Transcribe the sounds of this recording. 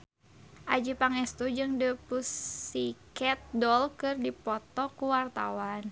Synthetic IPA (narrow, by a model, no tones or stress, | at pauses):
ʔad͡ʒipaŋɛst̪ud͡ʒɨŋdəpusikɛt̪̚dɔlkɨrdipɔt̪ɔkuwart̪a̰wan